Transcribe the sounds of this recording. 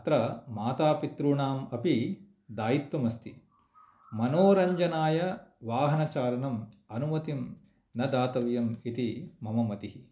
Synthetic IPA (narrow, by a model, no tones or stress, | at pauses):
t̪ɾɐmaːt̪aːpit̪ɾuɳaːmɐpi | d̪aːjit̪wɐmɐst̪ʰi | mɐnoːɾɐɲd͡ʒɐnaːjɐʋaːɦɐnɐt͡ʃaːlɐnɐmɐnumɐt̪im | nɐd̪aːt̪ɐʋjɐmit̪imɐmɐmɐt̪iɦi